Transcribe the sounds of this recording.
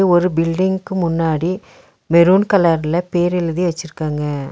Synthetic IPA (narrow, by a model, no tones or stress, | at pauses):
ɔɾɯbɪlɖɪŋɡkɯmʊnːaːɽi | mɛɾuːnkɐlaːɾlɐpeːɾɪlɯðiʋɐt͡ʃːɪɾɯkːaːŋɡɐ